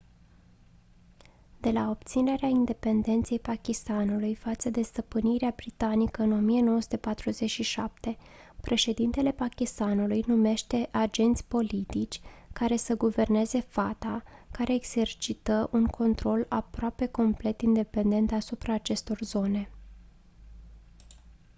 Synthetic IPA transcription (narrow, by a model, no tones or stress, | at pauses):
d̪̥e̞lao̞bt̪sine̞ɾeaind̪e̞pe̞nd̪e̞nt̪se̞jpakʲist̪anulujfat̪səd̪e̞st̪əpɨniɾeabɾit̪anikəɨno̞mije̞no̞oəsu̥t̪e̞pat̪ɾuze̞t͡ʃʃiʃap̚t̪e̞ | pɾʔe̞ʃe̞d̪int̪e̞le̞pakʲist̪anulujnume̞ʃt̪e̞ʔad͡ʒe̞nt̪sʲpo̞lit̪it͡ʃʲkaɾe̞səɡuve̞rne̞ze̞fat̪akaɾe̞ːɡz̥e̞rt͡ʃit̪əʔuŋkʰo̞nt̪ɾo̞lapɾoape̞ko̞mple̞t̪ind̪e̞pe̞nd̪e̞nt̪asupɾaːt͡ʃe̞st̪o̞rzo̞ne̞